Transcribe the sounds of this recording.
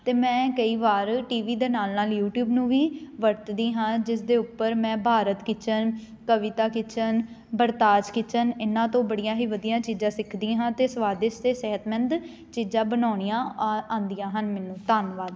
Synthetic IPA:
t̪eːmɛ̃ːkəiːʋaːɾʈiːʋiːd̪eːnaːlnaːljuːʈjuːbnũːʋiːʋəɾt̪d̪iːɦãːd͡ʒɪsd̪eːʊpːəɾmɛ̃ːbʱaːɾət̪kɪt͡ʃən | kəʋɪt̪aːkɪt͡ʃʰən | bəɾt̪aːt͡ʃkɪt͡ʃənɪnãːt̪õːbəɽijãːɦiːʋəd̪ijãːt͡ʃiːzãːsɪkʰd̪ĩːɦãːt̪eːsʋaːd̪ɪst̪eːsɛɦət̪mɛ̃nd̪ | t͡ʃiːzãːbənaːɳijãːãːnd̪ijãːɦənmɛːnũːt̪aːnʋaːd̪

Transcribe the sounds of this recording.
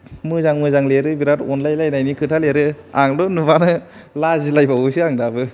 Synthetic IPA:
mɯzaŋmɯzaŋleɾɯbiɾatɔnlajlajnajnikʰɯtʰaleɾɯaŋdɔnubanɯ | lazilajbawusɯaŋdabɯ

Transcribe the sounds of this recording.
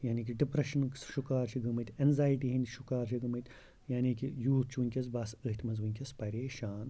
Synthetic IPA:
jaːniːk̬iɖipɾɐʃɐnʃukaːɾt͡ʃʰiɡɐmɨt̪ʲenzaːjiʈiɦɐnʲd̪ʲʃukaːɾt͡ʃʰɐɡɐmɐt̪ʲ | jaːnikijuːt̪t͡ʃʰʋunʲkʲɐs̬bɐsəɦt̪ʰʲmɐnzʋunʲkʲɐspɐɾʲeːʃaːn

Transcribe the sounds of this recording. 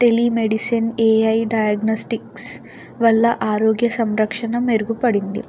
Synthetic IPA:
ʈelimeɽisɐneːɐjɖɐjɐɡnoːsʈiks | ʋɐlːɐʔaːɾoːɡjɐsɐmɾɐkʂɐnɐmeɾuɡupɐɽind̪ḭ

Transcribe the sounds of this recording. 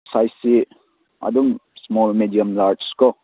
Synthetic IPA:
sajsi | ɐ̰duŋsmɔlmidijəmlaɾskɔ

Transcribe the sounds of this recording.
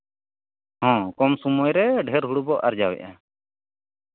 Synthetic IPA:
hɔ̃ːkɔmsumɔjɾɛɖʱɛɾɦuɽubɔʔaɾd͡ʒawɛ̰ʔa

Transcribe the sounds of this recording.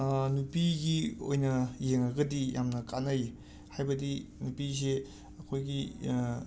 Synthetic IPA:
nupiɡio̰jnɐjeŋaɡɐdijamnɐkanɐj | hajbɐdinupis̬e | ɐkʰojɡi

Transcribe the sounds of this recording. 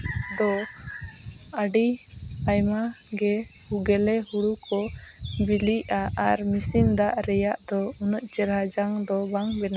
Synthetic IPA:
d̪ɔ | aɖi | ajma | ɡɛ | huɡɛlɛhuɽukʰɔ | biliʔaaɾmisimd̪aʔɾɛjaʔd̪ɔunɔʔt͡ʃɛɾɦad͡ʒaŋd̪ɔbaŋbɛna

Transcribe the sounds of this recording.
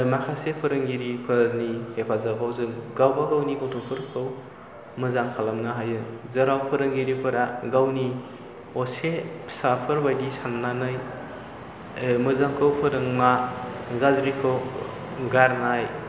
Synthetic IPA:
makʰasepʰɯɾɯŋɡiɾipʰɯɾnihepʰazabawzɯŋɡawbawɾawniɡotʰopʰɯɾkʰɯw | mɯzaŋkʰalamnaɦajɯzɐɾawpʰɯɾɯŋɡiɾipʰɯɾaɡawni | ɔsesapʰɯɾbajɡisannanɯj | mɯzaŋkʰɯwpʰɯɾɯŋmaɡazɾikʰɯw | ɡaɾnaj

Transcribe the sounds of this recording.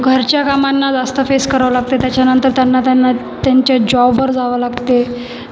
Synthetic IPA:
ɡʱəɾt͡ɕjakamanːad͡zast̪əfeskəɾʋəlaɡ̚t̪et̪jat͡ɕjanənt̪əɾt̪janːat̪anːa | t̪jaɲt͡ɕad͡ʑɔbʋəɾd͡zaʋəlaɡt̪e

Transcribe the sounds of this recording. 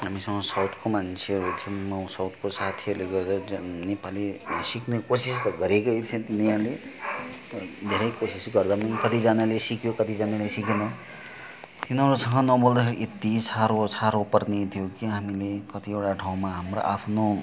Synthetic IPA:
ɦamisʌŋɡʌsawt̪ʰkomant͡sʰeʌɾut̪ʰimʌsawt̪ʰkosat̪ʰiʌɾleɡʌɾeɾʌnepalisiknekosistʌɡʌɾekojt̪ʰẽt̪iniʌɾle | d̪ʱeɾʌjkosisɡʌrd̪amʌnkʌt̪id͡zanalesikjokʌt̪id͡zanelesikenʌ | t̪inʌɾusʌŋɡʌnʌbold̪ʌkʰeɾiʔet̪isʰaɾosʰaɾopʌrnet̪ʰijokiɦamilekʌt̪iewʈaʈʰaw̃maɦamro̰ʔapʰno

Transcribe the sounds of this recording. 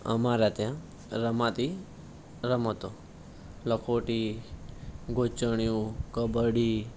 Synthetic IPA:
ə̰maɾat̪jã | ɾəmãt̪i | ɾəmət̪o | ləkʰoʈi | ɡʱot͡ʃəɳ̃jũkəbəɽi

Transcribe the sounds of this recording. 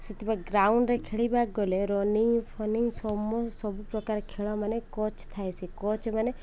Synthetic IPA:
sit̪ibaɡɾauɳɖɾekʰeɭibaɡɔleɾɔniŋpʰɔniŋɡsɔmɔsɔbupɾɔkaɾekʰeɭɔmanekɔt͡ʃt̪ʰajsʰikɔt͡ʃmane

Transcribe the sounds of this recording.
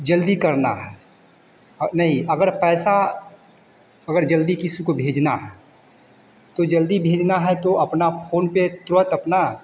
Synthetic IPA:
d͡ʒəld̪ikɐɾna̰ɦɛ | nɐɦĩɐɡəɾpɛːsa | ɐɡəɾd͡ʒəld̪ikɪsikobʱeːd͡ʒnaɦɛ | t̪od͡ʒəld̪ibʱeːd͡ʒnaɦɛt̪oɐpnafʰoːnpet̪ɾʊət̪ɐpna

